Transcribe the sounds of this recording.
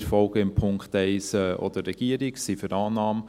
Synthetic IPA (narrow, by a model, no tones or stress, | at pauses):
ɾfɔlɡ̥əɪmpʰʊŋkχt̪ɛɪsɛʔɔ̰d̪ərɛɡ̥iəɾiksifyɾɑːnɑːm